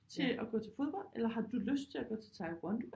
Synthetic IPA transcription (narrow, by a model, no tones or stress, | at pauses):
t͡sʰe̝ɒɡ̥ɔ̰̽ːt͡sʰe̝fo̝ðˠb̥ɒ̽l̰d̥elɐɦɑ̈d̥uløsd̥̚t͡sʰe̝lɒɡ̥ɔ̽ːt͡sʰe̝t͡sʰɑ̈ɪb̥ʁɒnd̥